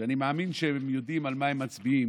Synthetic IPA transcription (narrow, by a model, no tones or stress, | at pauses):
animeaminʃeemjo̞d̪imalmahemːat͡sbiim